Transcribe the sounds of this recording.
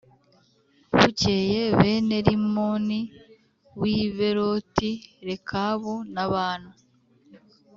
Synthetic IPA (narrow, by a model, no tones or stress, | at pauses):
βuceje̞βe̞ne̞ɾimoni | wiːβe̞ɾotiɾekʰaβonaβaːna